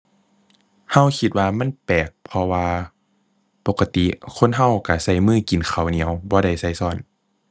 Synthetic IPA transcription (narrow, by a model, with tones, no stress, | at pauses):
ha˧˥˨wkʰi˧t̪̚waː˧ma˧˥˨npɛː˨˩k̚pʰɔ˧waː˧ | po˨˧˦kːa˧t̪i˧˨kʰo˧˥˨nɦa˧˥˨wka˧˩sa˧˩˨jmɯː˧˥˩ki˨˩˦nkʰa˨˩wni˧˦ə˦wbɔː˧˦da˧˩jsa˧˥˩jsɔː˧˩˨n